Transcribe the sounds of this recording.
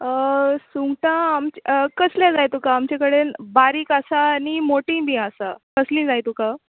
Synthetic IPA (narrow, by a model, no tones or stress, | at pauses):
əsuŋɡʈãːmt͡ɕkəsljãd͡zajt̪ukaːmt͡ɕakəɽenbaɾiːkasaːnimoʈĩbĩasakəslĩːd͡zajt̪uka